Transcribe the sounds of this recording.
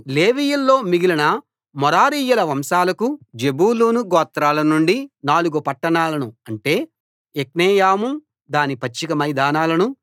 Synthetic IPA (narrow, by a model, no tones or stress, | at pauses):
leːʋijulːo̞ːmiɡilɐnɐ | mɔɾaːɾiːjulɐʋɐmsaːlɐkud͡ʒebuːluːnuɡɔːt̪ɾaːlɐnuɳɖinaːluɡupɐʈːɐɳaːlɐnuɐɳʈe̞ː | ek̚neːjaːmu | d̪aːnipɐt͡ʃːikɐmɐjd̪aːnaːlɐnu